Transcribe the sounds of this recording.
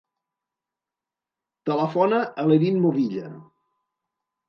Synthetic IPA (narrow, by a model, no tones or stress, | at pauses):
t̪ələfɔnəʔəleɾinmoβiʎə̰